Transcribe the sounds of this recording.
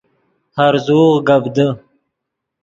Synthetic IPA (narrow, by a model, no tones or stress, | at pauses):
haɾzuːʁɡabd̪ə